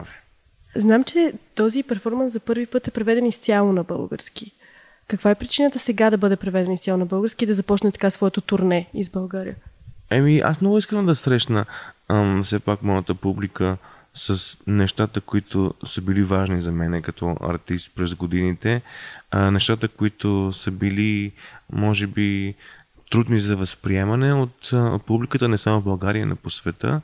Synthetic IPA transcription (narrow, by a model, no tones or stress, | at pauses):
v | znamt͡ʃɛt̪ɔzipɛɾfɔɾməɐnszɐpɤɾvipɤt̪ɛpɾɛvɛd̪ɛnist̪sʲalˠonɐbɤ̰lˠɡə̰ɾski | kɐkvaɛpɾit͡ʃinət̪əsɛɡad̪ɐbɤd̪ɛpɾɛvɛd̪ɛnist̪jalˠonɐbɤlˠɡəɾskiːd̪ɐzɐpɔt͡ʃnɛt̪ɐ̥kasvɔɛt̪ot̪uɾnɛizbɐlˠɡaɾḭəɛmiʔa̰smnɔɡʊiskəmd̪ɐsɾɛʃnə | fsɛpakmɔjət̪əpublikə | səsnɛʃt̪at̪əkoit̪ʊ̰səbilivaʒnizɐmɛnɛkɐt̪ɔʔɐ̰ɾt̪ist̪̚pɾɛzɡod̪init̪ɛ | nɛʃt̪at̪əkʊit̪ʊsəbilimɔʒɛbi | t̪ɾud̪nizɐvɐspɾiɛmɐnɛot̪publikət̪ənɛsamovbɐlˠɡaɾiə̰no̰posvɛt̪ə̰